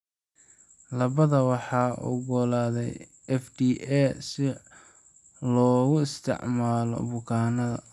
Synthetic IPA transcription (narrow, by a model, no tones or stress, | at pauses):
lɐβɐðɐwɑħɑːʔʊ̰ɡɔlaːðɛj | ɛfd̪iːʔɛsɪ | lɔːɣʊɪst̪ʰɪ̰ʕmaːlɔ̰bʊkʰaːnɐðɐ̰